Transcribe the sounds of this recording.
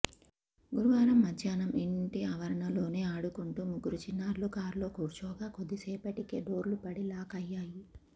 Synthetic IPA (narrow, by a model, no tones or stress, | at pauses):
ɡuɾuʋaːɾɐmːɐdjaːnɐmiɳʈiɐʋɐɾɐɳɐlo̞ːne̞ːaːɽukuɳʈuːmuɡuɾut͡ʃinːaːɾlukaːɾlo̞ːkuːɾt͡ʃɔːɡaːkod̪ːiseːpɐʈikeːɖoːɾlupɐɽilaːkɐjːaːji